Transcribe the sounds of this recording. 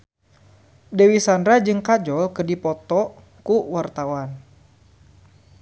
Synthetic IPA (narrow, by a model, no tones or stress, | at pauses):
dewisandɾad͡ʒɨŋkad͡ʒɔlkərdipɔt̪ɔ | kuwart̪awan